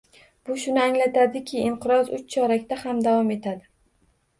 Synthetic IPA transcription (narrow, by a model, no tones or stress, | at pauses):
b̥ʊʃʊnɪaŋlat̪ʰad̪ɪkʲʰɪːɴqʰɨɾɒzʊt͡ʃt͡ʃʰɒɾakʲt̪ahamd̪avɒme̞t̪ʰad̪ɪ